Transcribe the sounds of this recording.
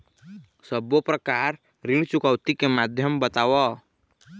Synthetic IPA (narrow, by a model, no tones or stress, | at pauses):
səbopɾəkaːɾ | ɾɪ̃ɽ̃t͡ʃʊkəwt̪ikemad̪ʱjəmbət̪aːwɔ